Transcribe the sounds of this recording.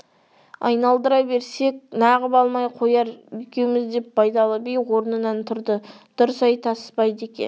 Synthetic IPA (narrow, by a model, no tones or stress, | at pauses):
ɑ̰jnɑlˠd̪əɾɑbe̞ɾse̞k̚nɑʁəpɑlˠmɑjqʰo̞jɑɾʏjkʲewmɪzd̪e̞p̚bɑjd̪ɑlˠəbejwo̞ɾnənɑnt̪ʰʊɾd̪ə | d̪̥ʊɾəsɑjt̪ʰɑspɑjd̪əe̞kʲḛn